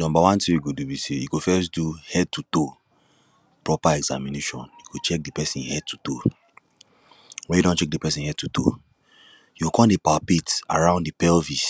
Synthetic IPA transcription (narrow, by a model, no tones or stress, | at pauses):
nɔ̃mbawãntiiɡodubisejikofɛs̬duhɛd̚tuto | pɹɔpaɛɡza̰mineʃɔ̃njukot͡ʃɛk̚dipɛsĩnhɛd̚tʰuto | wɛ̃judɔ̃nt͡ʃɛk̚dipɛsĩnhɛd̚tuto̰ | juokɔ̃ndepapeta̰ɹãʊ̃ndipɛlvis